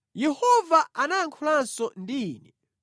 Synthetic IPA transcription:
jɛhɔvaanajaŋkʰulansɔndiːnɛ

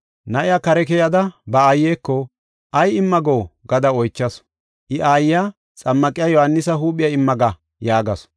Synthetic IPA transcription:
nɐʔɪjaːkɐɾɛkɛjɐd̪ɐbɐaːjːeːkːɔ | ʔɐjɪmːɐɡoːɡɐd̪ɐɔjt͡ʃːɐs | ʔɪʔaːjɪjaː | t͡sʼɐmːɐkʼɪjajɔhɐnːɪsɐɦuːpʼːɪjɐɪmːɐɡɐ | jaːɡɐs

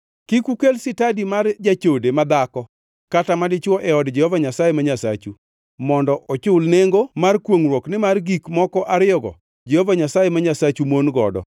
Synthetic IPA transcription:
kikukelsɪtadimard͡ʒat͡ʃodemad̪akɔ | katamadɪt͡ʃwɔʔɛɔdd͡ʒɛhovaɲasajemaɲasa̰t͡ʃu | mɔndɔʔɔt͡ʃʊlneŋɡomarkwoŋrwoknɪmarɡikmɔkɔʔaɾɪɔɡɔ̰ | d͡ʒehovaɲasajemaɲasat͡ʃumonɡɔ̰dɔ̰

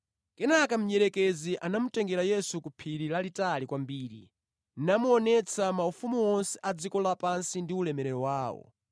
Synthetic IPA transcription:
kɛnakam̩ɲɛɾɛkɛziʔanamutɛŋɡɛɾajɛsukupʰiɾilalitalikwambiːɾḭ | namuɔnɛt͡sʰamaufumuɔnsɛ̥ʔad͡zikɔlapansindiulɛmɛɾɛɾɔwaːwɔ̰

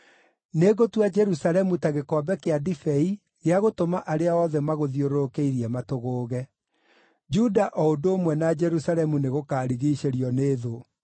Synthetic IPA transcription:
neɣotwad͡ʒɛɾusalɛmutaɣekɔbɛkeadifɛi | ɣeaɣotomaʔaɾeaɔðɛmaɣoðioɾokeiɾiɛmatoɣoːɣɛ | d͡ʒudaʔɔodoːmwɛnad͡ʒɛɾusalɛmuneɣokaːɾiɣiːʃeɾiɔneːðo

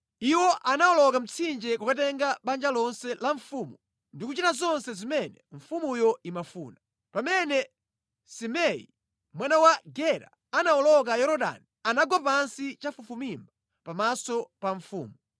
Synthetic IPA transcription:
iwɔʔanaɔlɔkam̩t͡sʰind͡ʒɛkakat̬ɛŋɡaɓand͡ʒalɔnsɛlaɱfumu | ndikut͡ʃitazɔnsɛzimɛnɛɱfumujɔimafṵːna | pamɛnɛ | simɛḭ | mwanawaɡɛɾa̰ | anaɔlɔk̬ajɔɾɔɗa̰nianaɡapansit͡ʃafufumimba | pamasɔpaɱfṵːmu

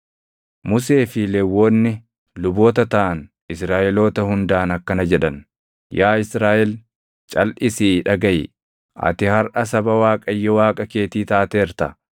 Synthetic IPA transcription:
mʊs̬e̞ːfɪlɛwːo̞ːnːɪ | lʊbo̞ːt̪ɐt̪ɐʔɐn | ɪsɾaːʔɛlo̞ːt̪ɐhʊnd̪aːnɐkːɐnɐd͡ʒɛᶑɐn | jaːɪsɾaːʔɛl | t͡ʃʼɐlʔɪsiːᶑɐɡɐjɪ̰ | ʔɐ̰t̪ɪhɐɾʔɐsɐbɐwaːkʼɐjːɔwaːkʼɐke̞ːt̪iːt̪aːt̪eːɾt̪ɐ

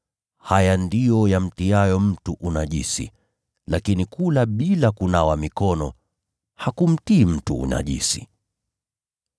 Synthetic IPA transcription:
hajandijɔjam̩tiajɔm̩tuʔunaʄisḭ | lakinikulaɓilakunawamikɔnɔ | hakum̩tiːm̩tuṵna̰ʄḭsi

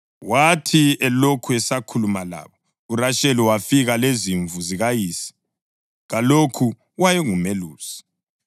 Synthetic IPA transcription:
watʰiɛlokʰuɛsakʰulumala̰ːβɔ | uraʃɛliwafiɣaleziɱvuziɣajiːsi̥ | ɣalokʰu | wajɛŋumeluːsi̥

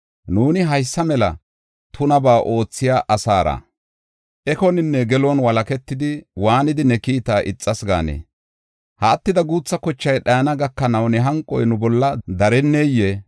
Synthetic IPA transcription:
nuːnɪɦɐjsːɐmɛlɐ̰ | t̪ʰʊnɐbaːʔo̞ːt͡sːɪjaːʔɐsaːɾa̰ː | ʔɛkɔnɪnːɛɡɛlɔnwɐlɐkɛt̪ːɪd̪ɪwaːnɪd̪ɪnɛkiːt̪aːʔɪt͡sʼːɐsɡa̰ːnḛː | hɐːt̪ːɪd̪ɐɡuːt͡sːɐkɔt͡ʃːɐjɗɐjnɐɡɐkːɐnɐwnɛɦɐŋkʼɔ̰jnʊbɔlːɐd̪ɐɾɛnːejːe

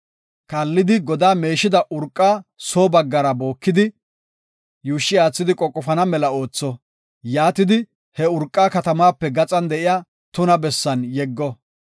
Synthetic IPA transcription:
kɐlːɪd̪ɪɡɔd̪aːme̞ːʃɪd̪ɐʔʊɾkʼːaːsoːbɐɡːɐɾɐbo̞ːkːɪd̪ɪ | juːʃːɪaːt͡sːɪd̪ɪkʼɔkʼːɔfɐnɐmɛlɐo̞ːt͡sːɔ | jaːt̪ɪd̪ɪ | hɛʊɾkʼːaːkɐt̪ɐmaːpːɛɡɐt͡sʼɐnd̪ɛʔɪjaː | t̪ʊnɐbɛsːɐnjɛɡːɔ

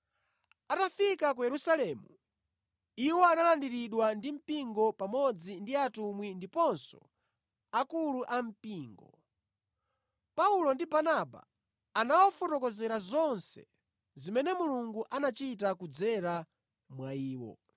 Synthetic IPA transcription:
atafikak̬ujɛɾusalɛːmu | iwɔanalandiɾiɗwandim̩piŋɡɔpamɔd͡zindiatumwindipɔnsɔ̰ | akuluʔam̩piːŋɡɔ̰ | paulɔndibanaba̰ː | nawɔfɔtɔkɔzɛɾazɔnsɛ̰ | zimɛnɛmuluŋɡuʔanat͡ʃitakud͡zɛɾa | mwaiːwɔ̰

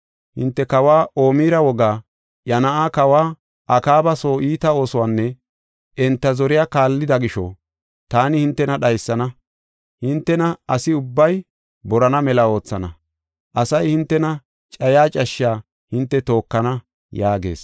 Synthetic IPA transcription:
hɪ̰nt̪ːɛkɐwaːʔo̞ːmiːɾɐwɔɡaː | jɐnɐʔaːkɐwaː | ʔɐkaːbɐso̞ːiːt̪ɐo̞ːsʊwaːnːɛ | ʔɛnt̪ːɐzɔɾɪjaːkaːlːɪd̪ɐɡɪʃɔ̰ | t̪aːnɪhɪnt̪ːɛnɐɗɐjsːɐnɐ | hɪnt̪ːɛnɐɐsɪʊbːɐj | bɔɾɐnɐmɛlɐo̞ːt͡sːɐnɐ̰ | ʔɐsɐjhɪnt̪ːɛnɐ | t͡ʃʼɐjaːt͡ʃʼɐʃːɪaː | hɪnt̪ːɛt̪o̞ːkːɐnɐ | jaːɡe̞̰ːs

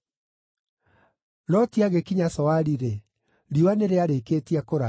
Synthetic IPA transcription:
lɔtiaɣekiɲasɔwaɾiɾe | ɾiwaneɾeaɾekeːtiakoɾa

